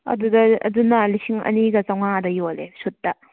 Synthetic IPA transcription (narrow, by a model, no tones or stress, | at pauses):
ɐ̰dudɐɐ̰dunɐlisiŋɐ̰niɡɐt͡ʃawŋadɐjolḛsut̚dɐ